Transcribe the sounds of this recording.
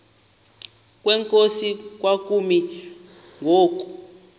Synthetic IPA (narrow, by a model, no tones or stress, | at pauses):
k̬ʼwɛŋkʼosik̬wak̬ʼumi | ŋɡʱoːk̬ʼu̥